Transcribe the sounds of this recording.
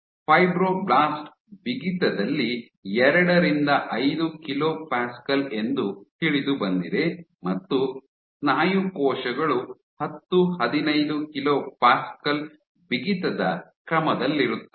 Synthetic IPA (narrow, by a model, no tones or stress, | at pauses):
pʰɐjbɾoːblaːsʈ | biɡit̪ɐd̪ɐlːi | ɛɾɐɽɐɾind̪ɐʔɐjd̪ukiloːpaːskɐle̞nd̪ut̪iɭid̪ubɐnd̪id̪e̞mɐt̪ːu | naːjukɔːʃɐɡɐɭu | hɐt̪ːuhɐd̪inɐjd̪ukiloːpaːskɐl | biɡit̪ɐd̪ɐ̰kɾɐmɐd̪ɐlːiɾut̪ːu̥